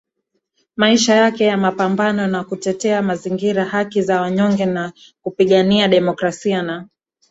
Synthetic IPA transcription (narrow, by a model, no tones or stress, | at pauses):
maiʃajakɛjamapambanɔnakutɛtɛamaziŋɡiɾahakizawaɲɔŋɡɛna | kupiɠaniaɗɛmɔkɾasiana